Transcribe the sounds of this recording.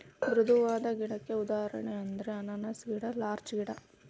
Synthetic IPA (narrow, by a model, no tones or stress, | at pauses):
b̪ɾud̪uʋaːd̪ɐɡiɽɐkːe̞ud̪aːɐɾɐ̰ɳeɐnd̪ɐɾeɐnɐnɐsɡiɽɐlaːɾt͡ʃɡiɽɐ